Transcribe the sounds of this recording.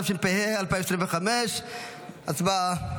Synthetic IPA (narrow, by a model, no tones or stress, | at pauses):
afʃimpehealpajmesɾimveχameʃ | at͡sba